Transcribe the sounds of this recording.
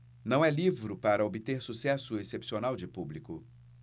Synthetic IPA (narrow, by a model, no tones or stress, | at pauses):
nɐ̃w̃ɛlivɾʊpaɾɐobit̪eɾsusɛsʊesepsionawd͡ʒɪpublikʊ